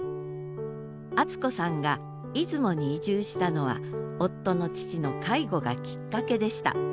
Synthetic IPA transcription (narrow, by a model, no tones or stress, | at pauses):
at͡sɨ̥ko̞sãŋɡa | it͡sɨmo̞ɲ̟iːʑɨːɕi̥t̪ano̞β̞a̰o̞t̪ːo̞no̞t͡ɕi̥t͡ɕino̞kʰaiɡo̞ɡa̰kʲi̥kːake̞d̪e̞ɕi̥t̪a̰